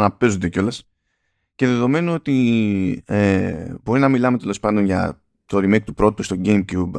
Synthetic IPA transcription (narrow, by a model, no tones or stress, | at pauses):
nɐpe̞zund̪e̞ceo̞les | ce̞ðe̞ðo̞me̞noo̞t̪i | ebo̞ɾinɐmilɐme̞t̪e̞lo̞spɐnd̪o̞nʝɐ̰ | t̪oɾimek̚t̪upɾo̞t̪it̪ust̪o̞ɟejmcub